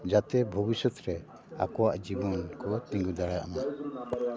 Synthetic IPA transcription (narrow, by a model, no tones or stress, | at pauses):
d͡ʒat̪ɛbʱɔbisɔt̪ɾɛ | a̰kɔwaʔd͡ʒibɔnkɔt̪iŋɡud̪aɽaaʔna